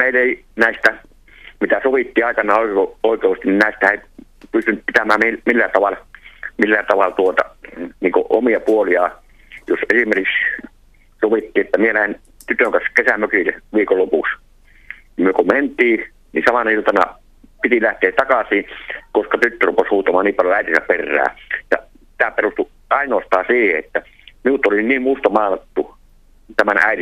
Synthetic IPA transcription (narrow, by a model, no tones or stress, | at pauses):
meˑileˑi | næˑist̪æ | mit̪æsoʋit̪ːiːɑˑikɑnˑɑːoˑkooˑikˑeˑust̪ininnæˑist̪æeˑi | pyst̪ynt̪̚pit̪æmæːmimilːæt̪ɑʋɑlmilːæt̪ɑʋɑlt̪uot̪ɑ̰niːŋko̰ʔomiɑpuoliɑˑ | josesimerkiks | soʋit̪ːiːet̪ːæmielæhen | t̪yt̪øŋkɑskesæmøkileʋiːkollopuks | kmmyøkoment̪ˑiː | nḭsɑmɑnɑilt̪ɑnɑ̰ | pit̪ilæht̪eːtt̪ɑkɑsiːkoskɑt̪yt̪ːørupːeshuːt̪ɑmɑːnniːpɑljoæˑit̪isæperːˑæ̰ːjɑ̰ | t̪æːperust̪u | ʔɑˑinoːst̪ɑːsiːhḛet̪ːæ | miut̪oliniːmmust̪ɑmɑˑːnɑt̪ːu | t̪æmænʔæ̰ˑit̪i